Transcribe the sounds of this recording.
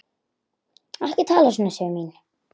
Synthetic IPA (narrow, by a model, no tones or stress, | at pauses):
ahcɪt̪ʰaːlasɔnasœmiːn